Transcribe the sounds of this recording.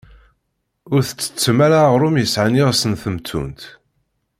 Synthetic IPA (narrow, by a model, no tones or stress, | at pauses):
ʊɾθə̥t͡sːə̥t͡sːəmæɾaʁɾʊmjəsʕaniʁsənθəmt̪ʰːṵnt̪